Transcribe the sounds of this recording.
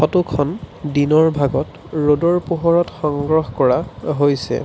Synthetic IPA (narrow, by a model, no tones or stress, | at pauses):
ɔtukʰɔndinɔɹbʱaɡɔt | ɹodɔɹpuɦɔɹɔtxɔŋɡɹɔxkɔɹaɦojsɛ̰